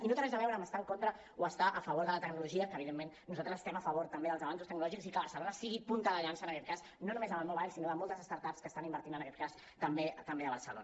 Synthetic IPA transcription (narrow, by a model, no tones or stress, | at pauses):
inot̪əɾɛzəβɛwɾəməst̪aəŋkont̪ɾə | oəst̪aʔəfəβoɾðələt̪əɡnuluʒiəkəːβiðemːenːuzalt̪ɾəzəst̪ɛməfəβoɾt̪əmbeðəlzəβans̬ust̪əknulɔʒikzikəβəɾsəlonəsiɣipunt̪əðəʎansənəkɛt̪̚kas | nonumezəməlˠmoβajʎsinoðəmolˠt̪əzəst̪aɾt̪apskəːst̪animbəɾt̪inənəkɛt̪̚kas | t̪əmbet̪əmbeəβəɾrsəlo̰nə